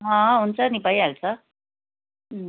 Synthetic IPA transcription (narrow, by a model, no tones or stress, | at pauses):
ɦãunt͡sanipajalt͡sa